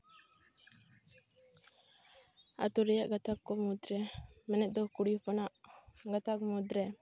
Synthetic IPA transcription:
a̰t̪uɾɛjaʔɡat̪akːɔmud̪ɾɛmɛnɛt̪̚d̪ɔkuɽipɔnaʔɡat̪akmud̪ɾɛ

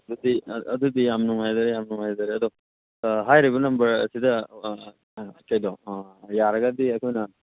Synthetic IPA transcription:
dudiɐd̪ud̪ijamnuŋajdaɾejamnuŋajdaɾeɐd̪ɔ | ɦajɾibunɐmbɐɾɐ̰sidɐ | kajdɔjaɾɐɡadiɐkʰɔjnɐ

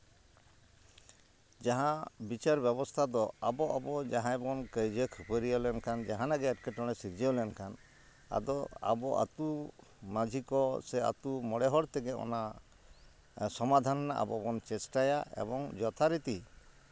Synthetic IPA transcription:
d͡ʒaɦãbit͡ʃaɾbjɛβɔst̪ʰad̪ɔabɔʔabɔd͡ʒaɦãbɔnkəjd͡ʒəkʰupəɾijɔlɛnkand͡ʒaɦanaɡɛːʈkeʈɔɽ̃ɛsiɾd͡ʒiolɛnkʰan | a̰d̪ɔa̰bɔʔa̰t̪umad͡ʒʱikɔsɛa̰t̪umɔɽɛɦɔɽt̪ɛɡɛɔ̰na | sɔmad̪ʱannaʔa̰bɔ̰bɔnt͡ʃɛsʈajaḛbɔŋd͡ʒɔt̪ʰaɾit̪i

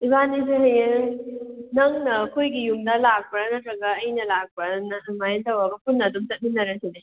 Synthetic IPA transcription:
ibanis̬eɦɐjeŋnɐŋnɐːkʰojɡijumdɐlak̚pɐnɐtʰɾɐɡɐːjnɐlak̚pɐnmajentʰɐwɐɡɐpunːɐdumsɐt̚minːɐɾɐside

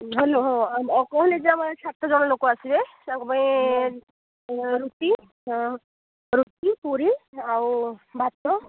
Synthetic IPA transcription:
ɦeloɦɔɔkɔɦɔneziamasʰat̪ːɔzɔnɔlokɔasibesaŋkɔpaĩ | ɾut̪i | ɹut̪ipuɾiawubʱat̪ːɔ

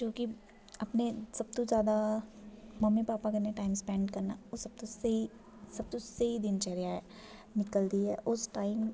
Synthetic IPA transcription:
d͡ʒoːki | ɐpnesɐb̚t̪õzjaːd̪a | mɐmːipaːpakɐneʈaːɪmspɛ̃ːɳɖkɐɾnaosɐb̚t̪oseɦi | sɐb̚t̪õseɦid̪ɪnt͡ʃɛɦɾjaɛ | nɪkəld̪iɦɛ̰ʔʊsʈaːɪm

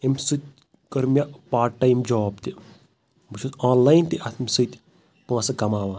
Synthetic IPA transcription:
imʲsɨt̪̚ʲ | kɐɾmʲjapaːʈːɐjmd͡ʒoːbt̪i | bɨt͡ʃʰusaːnlajnt̪iʔɐt̪ʰmʲsɨt̪ʲ | pɐ̃ːsɐkɐmaːʋaː

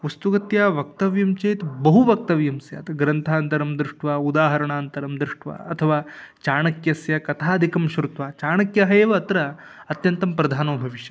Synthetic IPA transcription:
ʋɐst̪ukɐt̪jaːʋɐk̚t̪ɐʋjɐmt͡ʃɐːt̪bɐɦuʋɐk̚t̪ɐʋjɐmsja̰ːt̪ɐɡɾɐnt̪ʰaːnt̪ɐɾɐmd̪ɾɪʂʈʰʋaːud̪aːɦɐɾɐɳaːnt̪ɐɾɐmd̪ɾɪʂʈʋa̰ːɐt̪ʰɐʋaːt͡ʃaːɳɐkjɐsjɐkɐt̪ʰaːd̪ʱikɐmʃɾut̪ʋaːt͡ʃaːɳɐkjɐɦɐeːʋɐːt̪ɾɐ | ɐt̪jɐnt̪ɐmpɾɐd̪ʱaːnɐːbʱɐʋiʃjɐ

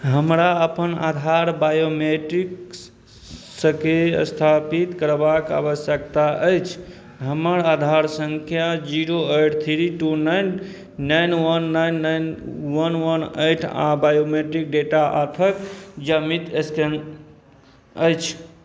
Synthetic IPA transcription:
ɦəmɾaəpəna̰d̪ʱaɾbajomeʈɾik | səkeə̰st̪ʰapit̪kəɾbaka̰βəsjəkt̪aʔəjt͡ʃʰ | ɦəməɾad̪ʱaɾsəŋkʰjad͡ʒiɾoeʈt̪ʰiɾiʈunajnː | ajnwənːajnːajnwənwənejʈʰã̰bajomeʈɾik̚ɖeʈaʔa̰t̪ʰəkd͡ʒəmit̪esken | əjt͡ʃʰ

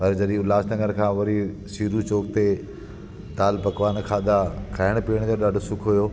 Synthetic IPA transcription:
pɐɾd͡ʑɐɗĩʊlaːsnɐ̃ŋɡəɾkʰãːʋɐɾi | siːɾut͡ɕoːkt̪e | t̪aːlpɐkʋaːnkʰaːd̪akʰaːɪɽ̃piːəɽ̃t̪oɗaːɖʱosʊkʰɦujoː

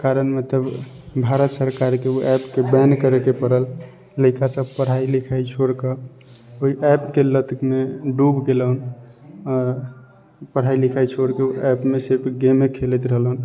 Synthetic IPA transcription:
kaɾənmet̪əb | bʱaɾət̪səɾkaɾkeoʔɛpkebɛnkəɾekepəɾəl | ləɪkasəb̚pəɽ̤ailikʰait͡ʃʰoɽkə | oɦiʔɛpkelət̪kmeɖubɡeləɦn | ɔɾ | pəɽ̤ailikʰajt͡ʃʰoɽkeoɛpmesebʰɡemekʰelɛt̪ɾəɦəlɦən

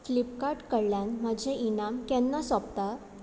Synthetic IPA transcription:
flipkaɾʈkəɾljãnm̤əd͡ʑʱeʔinamkjɛ̃nːasɔpt̪a

